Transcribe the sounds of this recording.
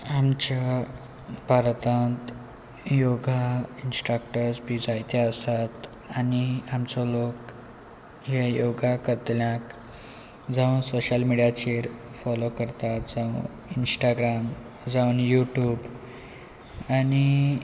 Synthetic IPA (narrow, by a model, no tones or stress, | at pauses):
amt͡ɕa | paɾt̪ãnt̪ | joɡʱainsʈɾəkʈəɾspid͡zajt̪eəst̪at̪ | añiamt͡sɔlok | ɦajoɡʱakəɾt̪ljãk | d͡zaunsoɕəlmiɽijat͡ɕeɾfɔlokəɾt̪at̪d͡zaun | insʈaɡɾam | d͡zauːnjuʈjuːb | añi